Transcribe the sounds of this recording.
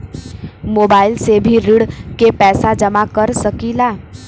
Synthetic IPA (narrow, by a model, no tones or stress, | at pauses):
moːbaːɪlsebʱiɾɪɽkepɛːsad͡ʒɐmakɐɾsɐkilaː